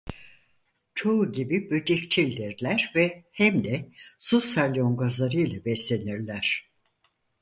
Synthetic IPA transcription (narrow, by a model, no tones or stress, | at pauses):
t͡ʃʰo̞uɟibibød͡ʒict͡ʃʰilʲd̪iɾlʲæɾvɛhæmd̪ɛsusalʲoŋɡazlˠaɾɯjlˠabɛslʲe̞niɾlʲæɾ̥